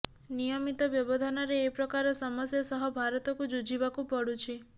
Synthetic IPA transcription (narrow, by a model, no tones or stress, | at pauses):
nijɔmit̪ɔbjɔbɔd̪ʱanɔɾeːpɾɔkaɾɔsɔmɔsjɔsɔɦɔbʱaɾɔt̪ɔkud͡ʒud͡ʒibakupɔɽut͡ʃʰi